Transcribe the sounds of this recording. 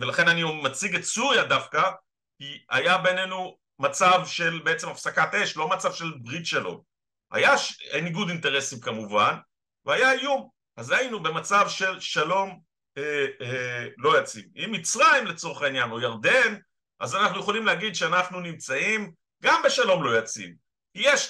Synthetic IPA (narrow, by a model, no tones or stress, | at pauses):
ve̞laχe̞nanimat͡siɡett͡sujad̪afka | kia̰jabe̞ne̞nu | mat͡savʃe̞lbeet͡se̞mafsakat̪e̞ʃlo̞mat͡sav̥ʃe̞lbʁitʃalo̞̰m | a̰jaʃniɡud̪inte̞ʁe̞simkamuvan | veajajum | azainube̞mat͡savʃe̞lʃalo̞m | eelo̞jat͡simimːit͡sʁaimle̞t͡so̞ʁeχainjano̞jaʁd̪e̞n | ʔazanaχnuje̞χolimleaɡid̪ʃeanaχnunimt͡saim | ɡambe̞ʃalo̞mlo̞jat͡sḭm | kijeʃ